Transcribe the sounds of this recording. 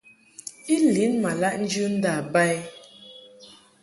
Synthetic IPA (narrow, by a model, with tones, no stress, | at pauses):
i˦li˨˦nma˨la˦ʔn̩˦d͡ʒɨ˦n̩˦da˨ba˦j